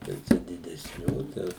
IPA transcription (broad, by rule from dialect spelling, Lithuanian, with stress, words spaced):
jɛʊ ˈt͡ʃʲɛ dʲɪdʲɛsʲˈnʲuː tɐɪ ˈjɛʊ